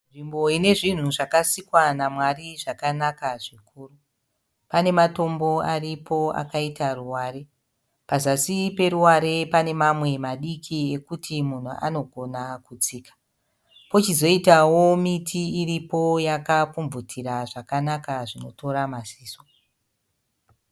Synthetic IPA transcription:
nʐimbo̞ine̞ʐin̤uʐakasikwanamwariʐakanakaʐikuːru | pane̞mato̞mbo̞aripʰo̞a̰kaitaruwaːɾe̞ | pazasipe̞ɾuwaɾe̞pane̞mamwe̞maɗikʰie̞kutimun̤ṵʔa̰no̞ɡʱo̞nakut͡siːkḁ | po̞t͡ʃizo̞itawomitʰiːripo̞jakapumvutʰiɾaʐakanakaʐino̞to̞ɾamasiːso

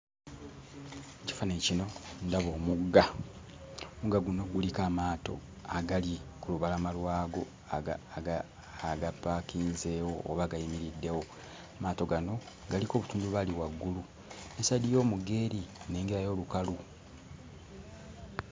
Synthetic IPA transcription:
ci̥fanecino̞ndaβoːmuɡːa | muɡaɡuno̞ɡulikaːmaːto̞̰ | aɡalikuluβalamalwaːɡo̞ | aɡapːakiːnzeːwo̞̰ːβaɡajimiɾidːe̞wo̞ | maːto̞ɡano̞ | ɡaliko̞ːβutuːnduβaliwaɡːulu | esadijo̞ːmuɡe̞ːɾine̞ːŋɡeɾajo̞ːlukalu

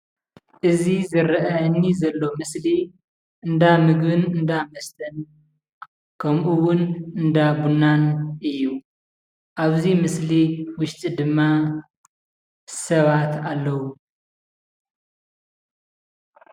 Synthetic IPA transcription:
ʔɨzizɨɾʔɐnːizɐlːo̞mɨsli | ʔɨnd̪amɨɡbɨnɨnd̪amɐst̪ʰɐn | kʰɐmʔuwʊnɨnd̪abunːanʔɨjːu | ʔaβzimɨsliwʊʃt̪ʼid̪ɨmːa | sɐβat̪alːɐwu

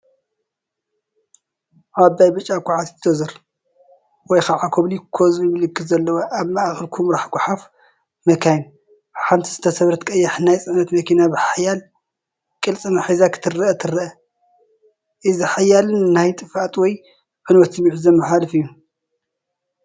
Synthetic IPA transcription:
ʔabajbɨt͡ʃʼːakʷʰʼːaʕat̪t̪ʰozɐɾ | wɔjxaʕakʰoβlikʰozjmɨlɨkʰːɨfzɐlːɐwoʔaβmaaxlkʰumɾaħɡʷʼʊħaf | mɐkʰajn | ħamt̪ʰizɨt̪ʰɐsɐβɾɐt̪kʼɐjːaħnajt͡sʼɨʕnɐt̪mɐkʰinabɨħajal | kʼɨlt͡sʼɨnaħazakʰɨ̥t̪ʰɨrɐʔɐt̪ʰɨrɐʔɐ | ʔɨzɨħajalɨnnajt̪ʼɨfat̪ʼwɔj | ʕɨnwɔt̪sɨmiʕzɐmɨħalɨfɨjːu

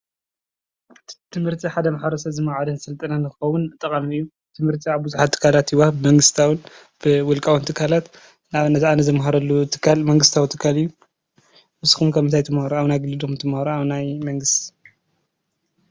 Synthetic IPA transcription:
t̪ʰɨmhɨɾt̪ʰiħad̪ɐmaħbɐɾɐsɐβzɨmaʕad̪ɐnsɨlt̪ʼɐnanɨxɨxɐwːʊnt̪ʼɐkʼamiɨjːu | t̪ʰɨmhɨɾt̪ʰiaβbuzuħat̪ʰːɨ̥kʰːalat̪iwabɨmɐŋɡɨst̪ʰawɨn | b̥ɨwʊlkʼawunt̪ʰɨkʰːalat̪ | naβɨnɐt̪anɐzɐmɦaɾɐlːut̪ʰɨ̥kʰːalmɐŋɡɨst̪ʰawt̪ʰɨkʰːalɨjːu | mɨsu̥xumkʰɐmːɨnt̪ʰajt̪ʰɨmhaɾuaβnajɡɨlɨd̪umt̪ʰɨmhaɾuaβnajmɐŋɡɨst̪i̥

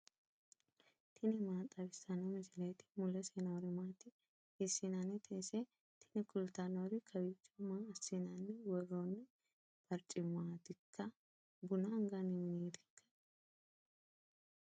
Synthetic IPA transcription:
t̪ʰɪnɪmaːt̪ʼːɐbɪsɐnɐmɪsɪlɐjt̪ɪ̥mʊlɛseːnɐwɾɪmaːt̪ɪ | ɪsɪnanɛt̪ʰɛsɛ | t̪ʰɪ̥nɪkʊlt̪anoɾɪkʰɐwɪt͡ʃːɔmaɐsːɪnanːɛwɔroːnːɛ | b̥ɐɾt͡ʃʼɪmaːt̪ɪkʰːɐ | bʊnɐŋɡanɪmɪniːt̪ɪ̥kːɐ̥

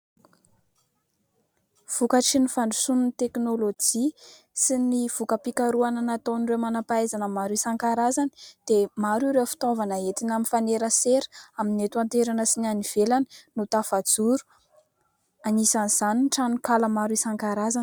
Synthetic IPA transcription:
v̥ukaʈ͡ʂinifanɳɖ͡ʐusuninit̪eknolod͡ʒi | siniv̥ukəpikaɾuananat̪onrewmanapajzanəmaɾuisaŋkaɾazani̥d̪̥emaɾuɾewfi̥t̪ovanəet̪inaminfaneɾəseɾaminet̪uant̪eɾanəsinaniv̥elani̥nut̪afad͡zuɾu̥ | anisanz̥aninʈ͡ʂanukaləmaɾuisaŋkaɾazani̥

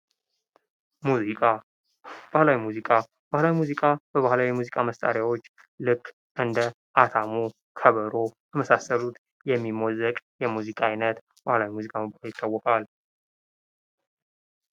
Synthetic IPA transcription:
ma | b̥ahlawimuzikʼa | b̥ahlawimuzikʼabəβahlawjɛmuzikʼaməst̪ʼa̰ɾjawo̞t͡ʃː | lɨkʼː | ʔɨnd̪ə | ʔat̪ʰamo | kʰəβəɾojʰəməsasəlut̪ | jɛmːimɔzəkʼjɛmuzikʼajnət̪ | b̥ahlawimuzikʼaməkʼahljɪt̪ʼːawːɔkʼal

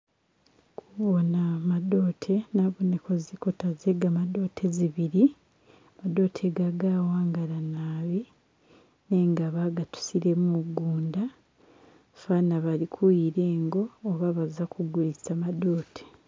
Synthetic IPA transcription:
kʰuβonamado̞ːtʰe̞naβuneko̞ziko̞tazeɡamado̞ːtʰe̞ziβiɾi | mado̞ːtʰeɡaɡaːwaːŋɡalanaːβi | ne̞ːŋɡaβaɡatu̥siɾe̞muɡuːnda | fanaβalikʰujiɾe̞ːŋɡo̞ːβaβazakʰuɡulisamado̞ːtʰe̥

